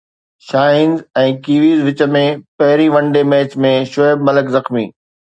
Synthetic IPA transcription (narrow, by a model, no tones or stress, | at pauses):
ʃaːɦɪnzɛ̃ːkiːʋiːzʋɪt͡ɕə̆mẽpɐɦɪɾiʋɐ̃ɳɖemeːt͡ɕmẽʃʊːbmɐləkzɐxmḭː